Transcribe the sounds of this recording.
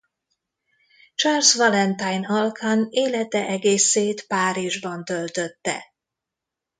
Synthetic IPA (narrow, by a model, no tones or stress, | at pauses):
t͡ʃɑrsvɒlɛnt̪ajnɒlkʰaneːlɛt̪ɛʔɛɡeːseːt̪paːɾiʒbɒnt̪ølt̪øt̪ːɛ̰